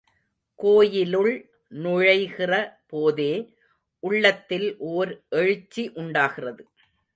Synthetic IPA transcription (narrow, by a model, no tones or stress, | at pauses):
koːjɪlɯɭ | nʊɻɐɪɣɪrɐpoːðeː | ʔʊɭːɐt̪ːɪlʔoːɾʔɛɻɯt͡ʃːiʔʊɳɖaːɣɪrɐðɯ